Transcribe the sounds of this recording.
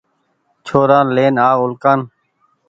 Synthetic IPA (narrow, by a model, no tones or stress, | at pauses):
t͡ʃʰoːɾaːnleːnaːʊlkaːn